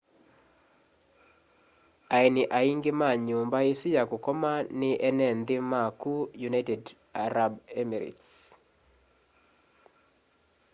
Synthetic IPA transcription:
ainɪʔaiŋɡɪmaɲʊmbaesujakokɔmanɪʔɛnɛnd̪ɪmakujunajtɛd | aɾabɛmiɾḭts

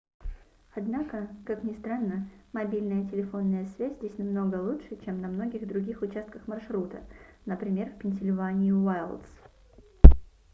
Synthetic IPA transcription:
ɐd̪nakəkaknʲɪst̪ɾanːəmɐbʲilʲnəjətʲɪlʲɪfo̞nːəjəsvʲæzʲzʲdʲesʲnɐmno̞ɡəlˠutʂɨt͡ɕe̞mnɐmno̞ɡʲɪɣd̪ɾʊɡʲixʊt͡ɕast̪̚kəxmɐrʂɾut̪ə̰nəpɾʲɪmʲe̞rfʲpʲɪnʲsʲɪlʲvanʲɪʊvajlˠd̪s

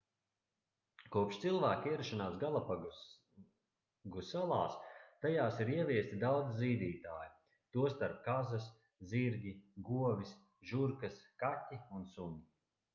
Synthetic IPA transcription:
kuɔpʃt̪silˠvæːkiɛɾuʃanaːsɡalˠapa | ɡusalˠaːst̪ajaːsiɾiɛvʲiɛst̪ʲid̪awd̪zziːd̪iːt̪aːju | t̪uɔst̪aɾp̚kazas | ziɾɡʲiɡuɔvʲis | ʒuɾkaskatʲːiunsuni

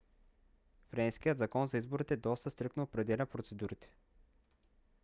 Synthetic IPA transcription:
fɾɛnskijət̪zɐkɔnzɐizboɾit̪ɛd̪ɔst̪əst̪ɾɤknoːpɾɛd̪ɛlʲəpɾot̪sɛd̪uɾit̪ɛ̥

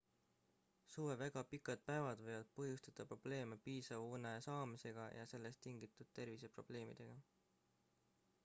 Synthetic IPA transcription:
suːvevæɡ̥ɑpikːˑɑd̪̥̚pæevɑd̪̥vɤjvɑd̪̥̚pɤɦjust̪ɑd̪̥ɑpro̞b̥le̞ːmepiːsɑvunesɑːmise̞ɡ̥ɑjʔɑse̞lːe̞st̪ːiŋɡ̥it̪ːˑud̪̥̚t̪e̞rvise̞pro̞b̥le̞ːmḭd̪̥e̞ɡ̥ɑ

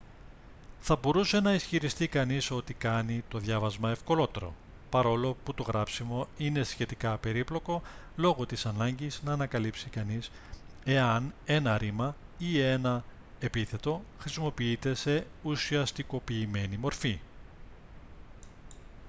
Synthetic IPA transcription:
θɐbo̞ɾuse̞nɐisçiɾist̪ikɐniso̞t̪ikɐnit̪o̞ðʝɐvɐzmɐe̞fko̞lo̞t̪e̞ɾo̞̰ | pɐɾo̞lo̞put̪o̞ɣɾɐpsimo̞ine̞sçe̞t̪ikɐpe̞ɾiplo̞ko̞ | lo̞ɣot̪isɐnɐɲɟiznɐːnɐkɐlipsikɐnis | e̞ɐne̞nɐɾimɐie̞nɐ | e̞piθe̞t̪o̞xɾisimo̞piit̪e̞se̞ | usiɐst̪iko̞piːme̞nimo̞ɾfi

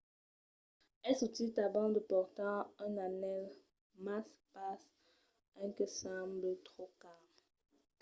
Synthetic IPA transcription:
ɛsutitavɑ̃d̪əpɔʁt̪ɑ̃ɛ̃nanɛl | maspas | ɛ̃kəsɑ̃blətχokam

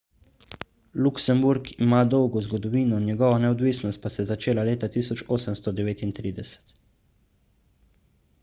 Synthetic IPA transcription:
luksɛmbuɾkimaːd̪ɔwɡɔzɡɔd̪ɔʋiːnɔnjɛɡɔʋɔnɛɔd̪ʋiːsnɔst̪̚pasɛzat͡ʃeːlaleːt̪at̪iːsɔt͡ʃoːsəmst̪ɔd̪ɛʋeːt̪int̪ɾiːd̪ɛsɛ̥t̪

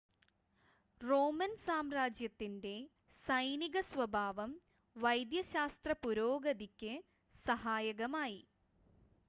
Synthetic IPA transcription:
roːmɐnsaːmraːd͡ʑjɐt̪ːinde̞ | sɐjniɣɐsʋɐbʱaːʋɐm | ʋɐjd̪jɐɕaːst̪rɐpuɾoːɡɐd̪ikʲːɨ | sɐɦaːjɐɣɐmaːji

